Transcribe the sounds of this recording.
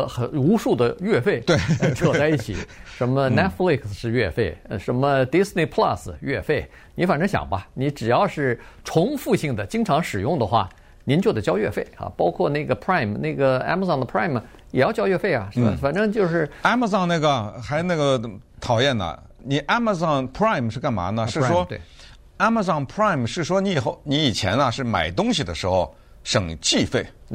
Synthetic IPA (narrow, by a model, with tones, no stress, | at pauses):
xə˨˩u˧˥ʂu˥˩d̪ə˩ɥɛ˥˧fe˥˩ɪt̪we˥˩˧ʈ͡ʂʰɔ˧˩t͡sa˥˧ɪi˥˩t͡ɕʰi˨˩˦ʂə˧˥nmə˧nɛ˥t̪fli˥˩kʰsʂɻ̩˥˧ɥɛ˥˧fe˥˩ɪə˧ʂə˧˥nmə˧t̪i˥sni˧˩pʰla̰˥˧s̩˩ɥɛ˥˧fe˥˩ɪ | ni˧˥fa˨˩nʈ͡ʂɤ˥ŋɕjɑ̰˨˩ŋbɐ˦ni˧˥ʈ͡ʂɻ̩˨˩jɑ˥˧ʊʂɻ̩˥˩ʈ͡ʂʰʊ˧˥ŋfu˥˧ɕi˥˩ŋd̪ə˩t͡ɕi˥ŋʈ͡ʂʰɑ˧˥ŋʂɻ̩˨˩jʊ˥˩ŋd̪ə˩xwa̰˥˩ | ni˧˥nt͡ɕjo˥˩d̪ə˩t͡ɕjɑ˥ʊɥɛ̰˥˧fe˥˩ɪɐ̰˩pɑ˥ʊkʰwɔ˥˧na˥˩ɡə˩pʰɹa˥˩ɪmna˥˩ɡə˩a̰˥ma˧sɑ˥˩ŋd̪ə˩pʰɹa˥˩ɪm˩ | jɛ˨˩jʊt͡ɕjɑ˥ʊɥɛ˥˧fe˥˩ɪɐ̰˩ʂ̩˥˩bə̰˨˩fa˨˩nʈ͡ʂɤ˥ŋt͡ɕjo˥˧ʊʂɻ̩˥˩a˥ma˧sɑ˥˩˧ŋna˥˩ɡə˩xa˧˥ɪ˧na˥˩ɡə˩t̪ʰɑ˨˩ʊjɛ˥˩nɐ̰˨˩ | ni˨˩ʔa˥ma˧sɑ˥˩ŋpʰɹa˥˩ɪmʂɻ̩˥˧ka˥˩nma̰˧˥nd̪ə˧ʂɻ̩˥˩ʂwɔ˥t̪ḛ˥˧˩ | a˥ma˧sɑ˥˩ŋpʰɹa˥˩ɪmʂɻ̩˥˩ʂwɔ˥ni˧˥˨xo˥˩ʊni˧˥i˨˩t͡ɕʰjɛ̰˧˥nɐ˧ʂɻ̩˥˩ma̰˨˩ɪt̪ʊ˥ŋɕi˨˩d̪ə̰˩ʂɻ̩˧˥xo˥˧ʊ | ʂɤ˨˩ŋt͡ɕi˥˧fe˥˩ɪ